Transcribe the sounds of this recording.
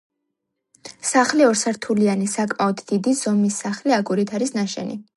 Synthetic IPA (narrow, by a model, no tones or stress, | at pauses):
saχliɔɾsaɾt̪ʰulianisakʼmaɔd̪d̪id̪iz̥ɔmisːaχliaɡuɾit̪ʰaɾisnaʃɛ̰nḭ